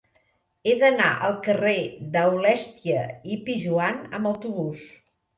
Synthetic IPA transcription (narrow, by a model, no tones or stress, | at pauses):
eðəna̰ʔəlˠkəreðəwlɛst̪iəipiʒuanə̰məwt̪uβus